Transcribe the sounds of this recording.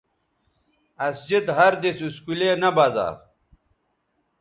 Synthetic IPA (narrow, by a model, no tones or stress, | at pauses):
ɐsd͡ʑid̪ɦɐɾd̪isuskulenɐbaːza̰ːɾ